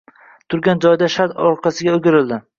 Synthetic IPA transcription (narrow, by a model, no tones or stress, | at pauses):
t̪ʰʊɾɡʲand͡ʒɒjd̪aʃat̪ɒɾqʰɑsɪɡʲaoʊɡʲɪɾɪld̪ɪ